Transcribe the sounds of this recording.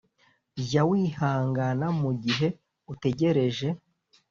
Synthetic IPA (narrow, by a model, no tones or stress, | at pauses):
jawihaːŋɡanamuɟiɦe̞ | ute̞ɟe̞ɾe̞ʒe̞